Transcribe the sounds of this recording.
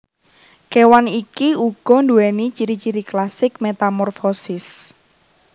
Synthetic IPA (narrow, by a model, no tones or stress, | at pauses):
kewanikiuɡ̥ɔ̤nduɛnit͡ʃiɾit͡ʃiɾiklasɪk̚met̪amɔrfɔsɪs